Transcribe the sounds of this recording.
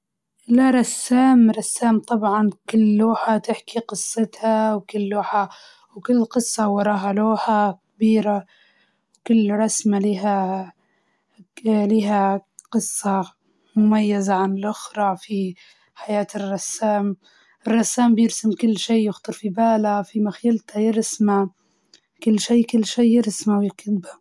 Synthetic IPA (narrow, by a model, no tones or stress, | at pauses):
laɾˤɑsːaːmɾˤɑsːaːmt̪ˤɑbʕɑnkʊlːuːħat̪ɪħkiqɨsˤːɨt̪hɑwkʊlːuːħa | wkʊlːqɨsˤːɑwɑɾˤɑːɦaloːħakbiːɾa | wkʊlːɾˤɑsmaliːɦa | liːɦaqɨsˤːɑ | mʊmajːazaʕanɪlʔʊxɾˤɑfi | ħajaːt̪ɪrˤːɑsːaːm | ʔɪrˤːɑsːaːmbjɪɾsɪmkʊlːʃiːjʊxt̪ˤɨɾˤfibaːlafimaxajalt̪hajɪɾsma | kʊlːʃiːkʊlːʃiːjɪɾsmawjɪkɪt̪ba